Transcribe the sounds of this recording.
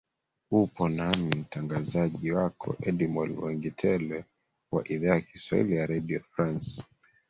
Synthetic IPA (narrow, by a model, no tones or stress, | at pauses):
upɔnamim̩taŋɡazaʄiwakʰɔ̰ʔɛɗimɔlwɛŋɡitʰɛlɛ | wa̰ʔiðaːjakiswa̰ḭlijaɾaɗiɔfɾans